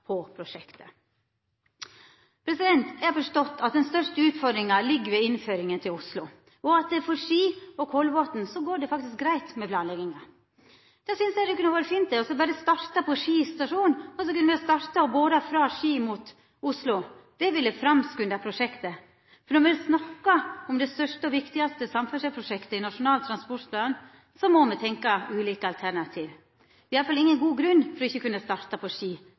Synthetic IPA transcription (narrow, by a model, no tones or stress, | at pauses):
pʰɔpʰɾʊʂɛkt̪ə̥ | pʰɾɛsɪd̪ɛnt̪æhɑɾfɔʂʈɔt̪ːɑt̪̚d̪ɛnst̪œʂʈəʉːt̪fɔɾd̪ɾɪŋɑlɪɡːʋɛɪnføːɾɪŋənt̪ʰɪlʊslʊ | ɔɑt̪fɔɾʂiːɔkʰɔlʋoːt̪n̩sɔɡoːɖɛfɑkt̪ɪsk̚ɡɾæɪt̪mɛpʰlɑːnlɛɡɪŋɑ | d̪ɛsʏnsæd̪ɛkʰʉnːəʋoːɾəfiːnt̪̚d̪ɛɔsɔbɑːɾəst̪ɑɾt̪ɑpʰɔʂiːst̪ɑʂuːnɔsɔkʉnːəʋɛst̪ɑɾt̪ɑboːd̪əfɾɑːʂiːmut̪ | ʊslʊd̪̥ɛʋɪlːəfɾɑmskʉnɑpʰɾʊʂɛkt̪ə | fɔɾɳɔɾmɛd̪snɑkːɑɔmd̪ɛst̪œʂʈəɔʋɪkt̪ɪɡɑst̪əsɑmfœʂɛpʰɾʊʂɛkt̪əɪnɑʂʊnɑːlt̪ʰɾɑnspɔʈpʰlɑːn | sɔmɔmɛt̪ʰɛŋkɑʉːliːkəɑlt̪ʰæɳɑt̪ʰiːʋ | ʋɛɪɑləfɑlɪŋːənɡuːɡɾʉnːfɔɾɔɪçːəkʉnːəst̪ɑːɾt̪ɑpʰɔʂiː